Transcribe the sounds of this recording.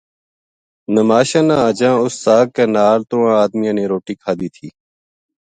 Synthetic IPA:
nəmaːʃãːnãːəd͡ʒãːʊst̪aːkkeːnaːlt̪õːãːaːd̪mɪjãːnẽːɾoːʈiːkʰaːd̪iːt̪ʰiː

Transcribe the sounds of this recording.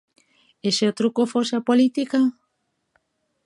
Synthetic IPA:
eseot̪ɾukofosapolit̪ika

